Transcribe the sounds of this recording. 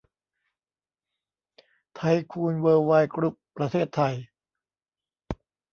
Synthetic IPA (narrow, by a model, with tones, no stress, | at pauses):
t̪ʰa˧jkʰuː˧nwɤː˧wa˧jkɾu˦˥pːɾa˧t̪ʰeː˥˩t̪ʰːa˧j